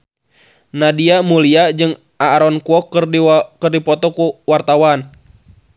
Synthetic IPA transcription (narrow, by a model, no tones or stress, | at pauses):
nadiamuliad͡ʒɨŋ | ʔaɾɔnkuɔkːrkɨrdipɔt̪ɔkuwart̪awan